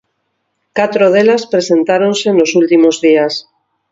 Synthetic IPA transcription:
kat̪ɾoð̞elaspɾese̞nt̪aɾo̞nsenlo̞sult̪imozðias

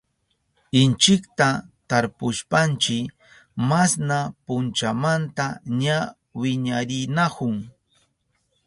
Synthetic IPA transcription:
ɪnt͡ʃɪkt̪at̪aɾpʊʃpant͡ʃɪ | masnapʊnt͡ʃamant̪aɲa | wɪɲaɾɪnakʊŋ

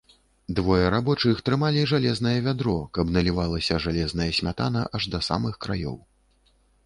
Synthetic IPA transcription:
d̪vɔjɛɾabɔt͡ʂɨxt̪ɾɨmalʲiʐalʲɛznɐjɐvʲad̪ɾɔkɐbnɐlʲivalˠɐsʲɐʐalʲɛzn̪ɐjɐsʲmʲat̪a̰nɐʔɐʐd̪ɐsa̰mɨxkɾajɔ̰w

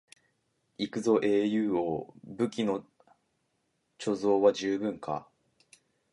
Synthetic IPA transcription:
ikɯ̟zo̞ʔe̞ːjɯ̟ːobɯ̟kʲino̞ | t͡ɕo̞zo̞ːβad͡ʑɨːbɯ̟̃ŋkʰa̰

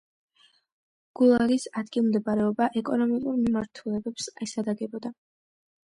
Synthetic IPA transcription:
ɡ̥ulˠaɾisad̪ɡilˠmd̪ɛbaɾɛɔbaʔɛkʼɔnɔmikʼuɾmimaɾt̪ʰulɛbɛpsɛsad̪aɡɛbɔd̪a

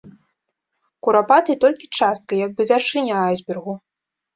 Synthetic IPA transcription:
kuɾapat̪ɨt̪ɔlʲkʲit͡ʂast̪̚kɐjaɡ̚bɨvʲarʂɨnʲɐajzʲbʲɛrɣu

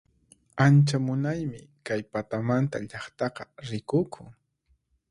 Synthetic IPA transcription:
ant͡ʃamʊnajmɪkajpat̪amant̪aʎɑχt̪ɑqɑɾɪkʊkʰʊŋ

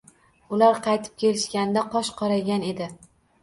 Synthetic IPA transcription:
ʊlaɾqʰɑjt̪ʰɪ̥p̚kʲʰe̞lɪʃkʲand̪aqʰɒʃqʰɒɾaɡʲane̞d̪ɪ

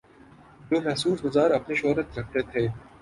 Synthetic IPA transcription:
d͡ʒoːmɛɦsuːsɡʊzaːɾɐpniʃoːɾət̪ɾɐk̚ʰt̪et̪ʰeː

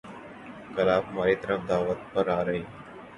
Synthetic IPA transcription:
kɐlaːbmaːɾiːt̪əɾəfd̪aːʋət̪̚pəɾaːɾɐɦeː

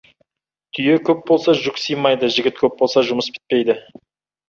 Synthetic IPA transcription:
t̪ʰʏje̞kʲʰɵp̚bo̞lˠsɑʒʊksijmɑjd̪əʒɪɡʲɪt̪kʲʰɵp̚bo̞lˠsɑʒʊməsbʲʰɪ̥t̪̚pejd̪ɪ

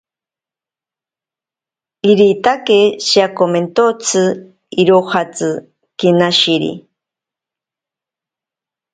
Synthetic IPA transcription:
iɾit̪akeʃiakoment̪ot͡sʰɨ | iɾohat͡sɨ | kinaʃiɾḭ

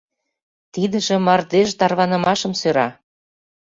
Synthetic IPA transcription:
t̪id̪ə̆ʒĕmɑrd̪eʒt̪ɑrβɑnə̆mɑʃɤ̆msøɾɑ

